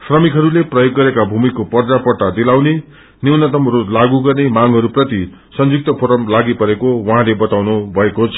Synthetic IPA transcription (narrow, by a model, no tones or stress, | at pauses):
srʌmikɦʌɾuleprʌjoɡːʌɾekabʱumikopʌrd͡zapʌrʈad̪ilawne | niwnʌt̪ʌmɦʌɾulaɡuɡʌrnemaŋɡɦʌɾuprʌt̪i | sʌnd͡zuk̚t̪ʌpʰoɾʌmlaɡipʌɾekowʌɦãlebʌt̪awnubʱʌekot͡sʰʌ